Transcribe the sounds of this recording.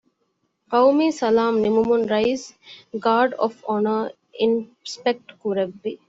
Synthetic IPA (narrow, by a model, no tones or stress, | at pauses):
qɐwmiːsɐlaːmnimumunɾaɪsɡaːɾɖɔ̰fɔnəɾ | ĩnspek̚ʈkuɾebːi